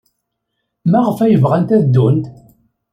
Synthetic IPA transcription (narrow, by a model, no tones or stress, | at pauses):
mæʁəfæjəvʁænt̪æd̪ːunt̪